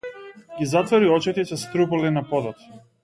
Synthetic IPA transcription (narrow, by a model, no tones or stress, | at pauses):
ɡʲizat̪vɔɾiɔt͡ʃɛt̪ɛsɛst̪ɾupɔlinapɔd̪ɔt̪